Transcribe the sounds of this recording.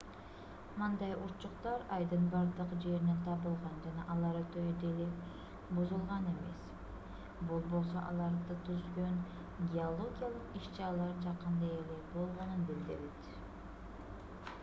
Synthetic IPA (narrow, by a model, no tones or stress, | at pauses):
mɯnd̪ɑjuɾt͡ʃuqt̪ɑɾɑjd̪ɯnbɑɾd̪ɯqd͡ʒe̞ɾinent̪ʰɑβɯlˠʁɑnd͡ʒɑnɑʔɑlˠɑɾɯt̪ʰøjd̪ele | buzulˠʁɑne̞me̞̰s | bulˠbo̞lˠs̬o̞̰ʔɑ̰lˠɑɾd̪ɯt̪ʰyzɡøn | ɡʲeolˠo̞ɡʲijalˠɯqiʃt͡ʃɑɾɑlˠɑɾd͡ʒɑqɯnd̪ɑelebo̞lˠʁo̞nɯnbild̪ɪ̰ɾit̪